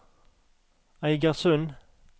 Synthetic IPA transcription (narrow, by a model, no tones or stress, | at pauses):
æɪɡəʁsʉn